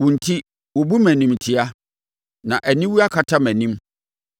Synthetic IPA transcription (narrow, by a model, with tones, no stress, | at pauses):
wʊ̃˨n̩˨tʰi˦ | wʊ˨bu˦mæ̃˨nĩ˦m˨tʰɪ˦a˦ | nã˨ʔæ˨nĩ˦wu˦a˦kʰa˦˨tʰa˦mæ̃˨nĩ˦m